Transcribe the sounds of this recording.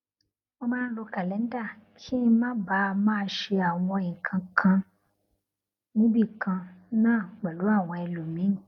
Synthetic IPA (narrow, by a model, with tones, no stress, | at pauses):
mo˧mãː˦n̩˦lo˧ka˨lɛ˨˦n̩˦da˦˨kʰĩ˦˧˦mã˦ba˨˦˧mãː˦ʃe˧a˨w̃ɔ̃˧˨ĩ˨kʰã˨˧kʰã˧ | mũ˦bi˦˨kʰã˧nãː˦˨ɡ͡bɛ˨lo˨˦a˦˨w̃ɔ̃˧ɛ˧lo˨mĩ˨˦